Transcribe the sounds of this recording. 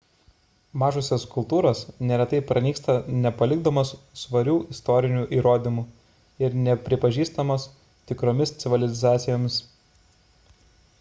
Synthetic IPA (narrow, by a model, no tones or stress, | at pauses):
mɑːʒʊsʲeskʊlˠt̪uːɾoːsnʲɛɾʲɛt̪ɐɪpɾɐnʲiːkst̪ɐnʲɛpɐlʲɪɡd̪oːmɐsːʋɐɾʲuːʔɪst̪ɔɾʲɪnʲuːʔiːɾoːd̪ʲɪmuː | ɪɾnʲɛpʲɾʲɪpɐʒʲiːst̪ɐmɐs | t̪ʲɪkɾoːmʲɪst̪sʲɪʋʲɪlʲɪzɑːt̪sʲɪjoːmʲɪs